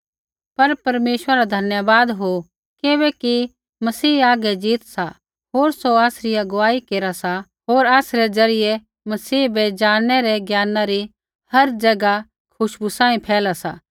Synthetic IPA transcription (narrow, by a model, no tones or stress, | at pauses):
pɐɾpɐɾmeːʃwəɾaɾad̪ʱɐnjəbaːd̪ɦo | keβɛki | mɐsiːaːɡɛd͡ʒiːt̪sa | ɦoːɾsoaːsɾɪjaɡʊʋaːikeːɾasa | ɦoːɾaːsɾɛzɐɾɪjɛ | mɐsiːbɛd͡ʒaːnɛɾɛɡjaːnãɾi | hɐɾd͡ʒɐɡa | kʰʊʃbusãːĩpʰɛːlasa̰ː